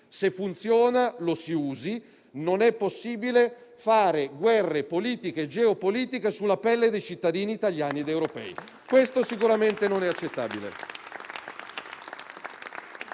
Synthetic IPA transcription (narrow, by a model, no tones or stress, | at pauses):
sefːunt̪sjɔːnalosiuːzi | nonɛpːosːiːbile | faːɾeɡwɛrːepoliːt̪iked͡ʒeopoliːt̪ikesulːapɛlːed̪ejt͡ʃit̪ːad̪iːniːt̪aljaːnied̪ewɾopɛ̰ːi | kwest̪osikuɾament̪enonɛat͡ʃːet̪ːa̰ːbilḛ